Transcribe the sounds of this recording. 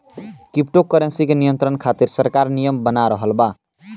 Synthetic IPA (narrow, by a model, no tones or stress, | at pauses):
kip̚ʈokːəɾensikenijənt̪ɾənkʰat̪iɾsəɾkaɾnijəmbənaɾəɦəlba